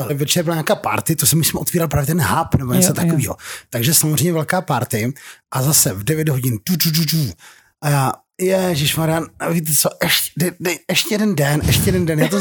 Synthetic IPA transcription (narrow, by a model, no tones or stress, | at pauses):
vɛt͡ʃɛɾbɪlaɲaːkaːpa̰ɾt̪ɪt̪osɛmɪsmʔot̪viːɾalpɾaːvjɛt̪̬ɛnɦapnɛboɲɛt͡sot̪akoviːɦot̪aɡʒɛsamozr̝ɛjmɲɛvɛlkaːpaɾt̪ɪʔazasɛvdɛvjɛdɦo̞ɟɪnd̥udududu | ʔajaː | jɛʒɪʃmaɾɪjaavit̪̬ɛt͡soʔɛʃcɛ̥dɛɛɛʃcɛjɛdɛndɛnʔɛʃcɛjɛdɛndɛnjaːt̪̬o